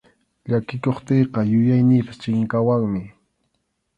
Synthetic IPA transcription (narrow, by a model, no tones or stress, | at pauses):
ʎakɪkoχt̪eːqɑjʊjajnɪːpḁst͡ʃɪŋkawaŋmɪ